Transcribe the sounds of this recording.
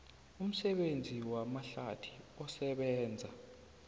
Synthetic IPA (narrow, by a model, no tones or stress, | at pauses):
um̩sɛɓend͡zʱiwamaɬatʰi̥ɔsɛɓɛːnd͡zʱa